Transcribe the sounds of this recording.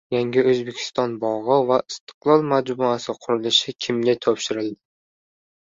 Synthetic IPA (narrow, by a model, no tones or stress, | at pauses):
jaŋɡʲɪɵzbe̞kʲʰɪ̥st̪ɒnbɒʁɨvaʔɪst̪ʰɪ̥qlˠɒlˠmad͡ʒbʊasɪqʰʊɾɪlɪʃɪkʲʰɪmlɪt̪ʰɒpʃɪɾɪld̪ɪ